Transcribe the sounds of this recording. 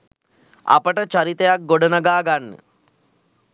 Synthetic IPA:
a̰pəʈət͡ʃaɾit̪əjak̚ɡoɖənəɡaːɡanːə̰

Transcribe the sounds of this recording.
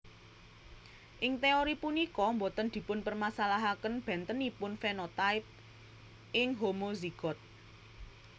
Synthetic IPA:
ʔɪŋt̪eoɾipunikɔmbot̪ənd̪̥i̤pʊnpərmasalaɦakənb̥ɛ̤nt̪ənipʊnfenot̪aɪp̚ | ʔɪŋɦomoziɡ̥ɔ̤t̪̚

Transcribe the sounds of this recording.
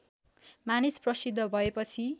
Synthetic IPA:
manisprʌsid̪ʱːʌbʱʌepʌt͡sʰi

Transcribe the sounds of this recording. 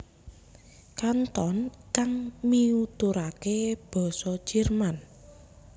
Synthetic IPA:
kant̪ɔnkaŋmiut̪uɾakeb̥ɔ̤sɔ̥ʒ̥ɛ̤rman

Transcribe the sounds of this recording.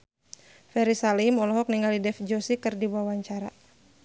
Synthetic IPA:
fɛɾisalimɔlɔɦɔk̚niŋɡalidɛfd͡ʒɔsikɨrdiwawaɲt͡ʃaɾa

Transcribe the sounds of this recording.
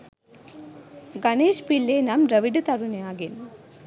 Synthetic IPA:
ɡɐneːʂpilːeːnɐmɾɐʋɪɖɯt̪ɐɾunɐjaːɡen

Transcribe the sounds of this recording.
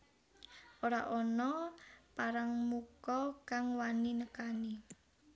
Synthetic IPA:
oɾaʔɔnɔpaɾaŋmukɔkaŋwaninəkani

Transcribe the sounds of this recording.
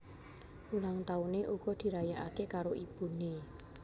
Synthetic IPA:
ulaŋt̪auneʔuɡ̥ɔd̪̥i̤ɾajaʔakekaɾoʔipune

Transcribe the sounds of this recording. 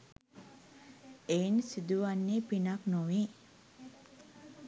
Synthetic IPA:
eːnsid̪uʋanːiːpinaknoʋiː

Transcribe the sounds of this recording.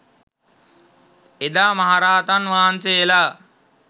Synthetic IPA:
ed̪aːmaɦaɾaːat̪anʋaːnseelaː

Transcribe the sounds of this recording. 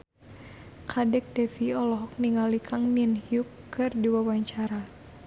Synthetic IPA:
kʰadɛk̚dɛfiɔlɔɦɔk̚niŋalikʰaŋminhiukː | ɨrdiwawaɲt͡ʃaɾa

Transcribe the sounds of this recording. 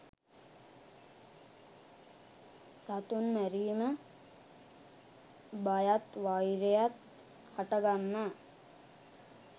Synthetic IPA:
sat̪unmæɾiːmə | bajat̪ʋajɾejat̪ | haʈəɡamːə

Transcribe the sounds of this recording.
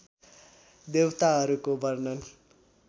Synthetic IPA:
d̪ewt̪aɦʌɾukobʱʌrnʌn

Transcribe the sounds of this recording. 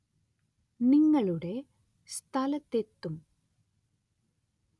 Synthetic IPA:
niŋːɐɭuɽe | st̪ʰɐlɐt̪ːet̪ːum

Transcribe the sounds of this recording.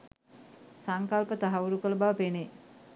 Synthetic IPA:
saŋkalpət̪aɦaʋuɾukələbaʋəpene

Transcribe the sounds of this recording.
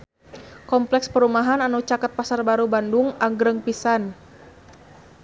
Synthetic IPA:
kɔmplɛkspəɾumaɦananut͡ʃakat̪̚pasarbaɾubanduŋaŋɡɾəŋpisan

